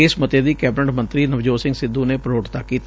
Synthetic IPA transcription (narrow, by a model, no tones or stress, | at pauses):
ɪsmət̪eːd̪iːkɛːbɪnəʈmə̃nt̪ɾiːnəʋd͡ʒoːsɪ̃ŋɡsɪd̪ũːneːpɾoːʈt̪aːkiːt̪ː